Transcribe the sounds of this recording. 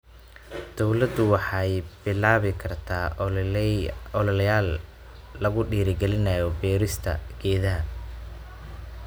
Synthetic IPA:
d̪̥ɔwlɐd̪ʊwɑħɑjbɪlaːβɪkʰɐrt̪ʰaː | ɔlljaːlː | ɐɣʊɖiːɾɪɡɛlɪnɐjɔbɛːɾɪst̪ʰɐ̰ɡ̥ɛːðɐɦɐ

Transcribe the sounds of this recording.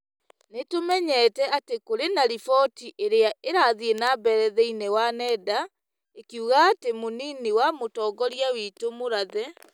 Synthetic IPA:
netomɛɲɛːtɛatekoɾenaɾifɔtiʔeɾeaʔeɾaðienabɛɾɛðɛinewanɛda | ekiuɣaːtemoniniwamotɔːɡɔɾjawiːtomoɾaðɛ

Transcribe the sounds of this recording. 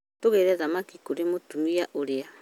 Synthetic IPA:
toɣeɾɛzamakikuɾemotumiaʔoɾea

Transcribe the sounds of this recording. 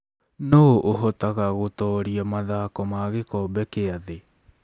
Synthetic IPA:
noʔoɦɔtaɣaɣotɔːɾiamaðaːkɔmaɣekɔːbɛkeaðe

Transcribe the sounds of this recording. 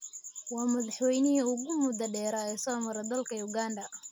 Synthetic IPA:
wɑːmɐðɑħwɛjnɪɦɐʊɣʊmʊd̪ɐɖɛːɾɐɛːsɔːmɐɾɐd̪ɐlkʰɐjʊɡaːnɖɐ

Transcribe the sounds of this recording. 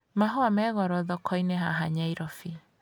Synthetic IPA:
maɦɔamɛɣɔɾɔðɔkʰɔinɛɦaɦaɲaiɾɔfi

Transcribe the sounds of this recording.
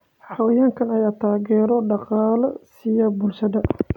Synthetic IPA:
ħɑwɐjaːŋkʰɐnɐjaːt̪ʰaːɣɛːɾɔɖɑqɑːlɐsijɐbʊlʃɐðɐ

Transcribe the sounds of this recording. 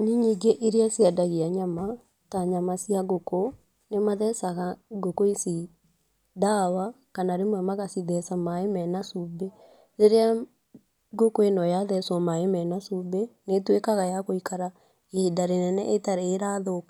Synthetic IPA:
niɲiɡeʔeɾeasiɛdaɣiaɲama | taɲamasijaɣoko | nemaðɛsaɣaɡokoisi | dawakanaɾemwɛmaɣasiðɛsamaemɛnasube | ɾeɾea | ɡokoenɔjaðɛsɔmaemɛnasubenetwekaɣajakoikʰaɾa | edaɾenɛnɛ̰ʔetaɾeːɾaðok

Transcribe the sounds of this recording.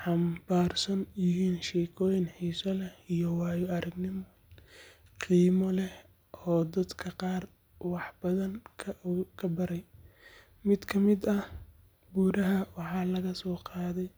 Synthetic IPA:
ħɑmbaːrsɐnjɪɦiːnʃɛːkʰɔːjɪnħiːsɐlɛhijɔwɑːjɔɐɾɐɡnɪm | qiːmɔlɛh | ʔɔːd̪ɐd̪kʰɐqɑːr | wɑħbɐðɐŋkʰɐkʰɐbɐɾɛj | mɪd̪kʰɐmɪd̪ɐh | buːɾɐɦɐwɑħɑːlɐɣɐsɔːqɑːðɛj

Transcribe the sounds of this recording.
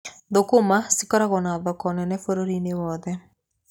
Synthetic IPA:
ðokomasikɔɾaɣɔnaðɔkɔnɛnɛfoɾoɾinewɔðɛ

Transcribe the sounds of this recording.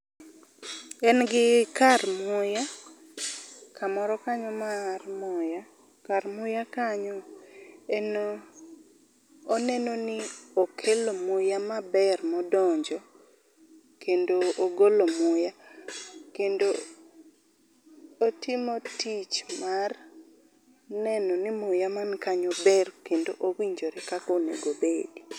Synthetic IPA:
ɛnɡɪkarmʊja | kʰamɔɾɔkaɲɔmarmʊja | kaɾmʊjakaɲɔ | ɛno | nɛnonɪokʰelomʊjamabɛrmɔdɔɲd͡ʒɔ | kendoːɡolomʊja | kendo | tʰɪmɔtit͡ʃmar | nɛnɔnɪmʊjamankaɲɔbɛrkendoʔowiɲd͡ʒoɾɛkakonḛɡobedi

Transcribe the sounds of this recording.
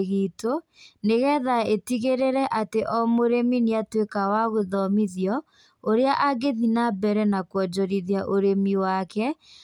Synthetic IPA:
ɣiːto | neɣɛðaetiɣeɾeɾɛʔateʔɔmoɾeminiatwekawaɣoðɔmiðjɔ | oɾeaʔaɡeðinabɛɾɛnakwɔd͡ʒɔɾiðjaʔoɾemiwakɛ

